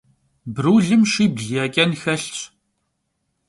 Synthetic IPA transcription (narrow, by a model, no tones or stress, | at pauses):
bɾuːɮɨmʃiːbɮjaːkʲʼɐnxɐɬt͡ɕʰʼ